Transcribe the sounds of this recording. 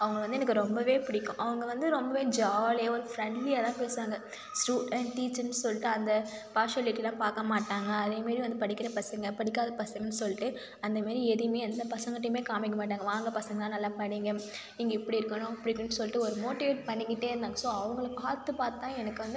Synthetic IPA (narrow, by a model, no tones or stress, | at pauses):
ɐʋɐŋɡɐɭʋɐnd̪ɯɛnɐkːɯɾɔmbɐʋeːpʊɽɪkːʊ̃ʔɐʋɐŋɡɐʋɐnd̪ɯɾɔmbɐʋeːd͡ʒaːleːɔɾɯfɾɛɳɖlɪjaːt̪ãːpeːsʋaːŋɡɐ | sʈuːɽɛɳʈʈiːt͡ʃːnɯsɔlːɪʈːɯɐnd̪ɐpaːʂɐlɪʈːilãːpaːɾkɐmaːʈːaːŋɡɐːðeːmaːd̪ɾiʋɐnd̪ɯpɐɽɪkːɪɾɐpɐsɐŋɡɐpɐɽɪkːaːðɐpɐsɐŋɡɐnsɔlːɪʈːɯ | ɐnd̪ɐmaːɾiɛðɪjmeːɐnd̪ɐpɐsɐŋɡɐʈ̪ːɪmeːkaːmɪk̬ːɐmaːʈ̬ːaːŋɡɐʋaːŋɡɐpɐsɐŋɡɐt̪ãːnɐlːaːpɐɽiːŋɡɐ | ɪŋɡɐɪpːɐɽiɪɾɯkːɐnʊ̃ɐpːɐɽɪɾɯkːɯnːɯsɔlːɪʈːɯɔɾɯmoːʈːɪʋeːʈ̚pɐɳːɪkːɪʈːeːɾɯnd̪aːŋɡɐsoːɐʋɐŋɡɐɭpaːt̪ːɯpaːɾt̪ãːɛnɐkːɯʋɐnd̪ɯ